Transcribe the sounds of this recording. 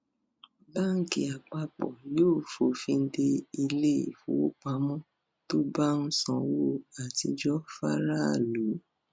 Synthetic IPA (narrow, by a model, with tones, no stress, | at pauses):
ba˦ŋ̩˦ki˨a˨k͡pa˧k͡pɔ̰˨joː˦˨fo˨fĩ˧n̩˦de˧i˧le˦˨fṵ̃˨˦o˦k͡pa˨˦mɔ̃˦ | to˦ba˦n̩˦sɔ̃˧˨wo˦˨a˨ti˧d͡ʒɔ˦fa̰˦ɾa˦˨lu˨˦